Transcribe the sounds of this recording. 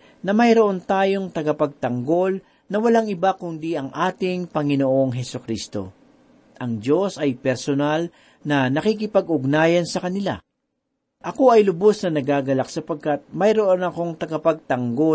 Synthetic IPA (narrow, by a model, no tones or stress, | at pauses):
nɐmɐjɾoʔo̞nt̪aːjo̞ŋt̪ɐɡɐpɐɡ̚t̪ɐŋɡo̞l | nɐwɐlaŋʔɪbakʊnd̪iʔɐŋʔaːt̪ɪŋpɐŋɪnoʔo̞ŋɦɛsʊkɾist̪o̞̰ | ʔɐŋd͡ʒo̞sɐjpɛɾsonal | nɐnɐkik̬ɪpɐɡʔʊɡnaːjɐnsɐkɐnɪla̰ | ʔɐko̞ʔɐjlʊbo̞snɐnɐɡaːɡɐlak̚sɐpɐɡ̚kat̪̚mɐjɾo̞ʔonɐko̞ŋt̪ɐɡɐpɐɡ̚t̪ɐŋɡo̞